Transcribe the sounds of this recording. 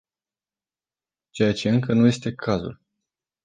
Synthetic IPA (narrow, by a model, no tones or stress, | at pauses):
t͡ʃe̞jat͡ʃe̞ɨŋkənuje̞st̪e̞kʰazṵl